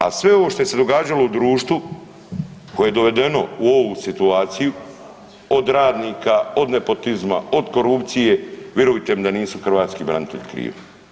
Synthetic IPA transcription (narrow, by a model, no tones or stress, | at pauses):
a̰sʋe̞o̞ʋoʃt̪o̞jese̞d̪o̞ɡaːd͡ʒalo̞ud̪ɾuːʃt̪ʋu | kojeje̞d̪o̞ʋe̞d̪e̞no̞̰uo̞ʋusit̪uaːt̪siju | o̞d̪ɾaːd̪nikao̞d̪ne̞po̞t̪izma̰o̞d̪ko̞ɾupt̪sije̞ʋje̞ɾujt̪emd̪aniːsuxr̩ʋaːt̪skibɾa̰nit̪e̞ʎikɾḭːʋa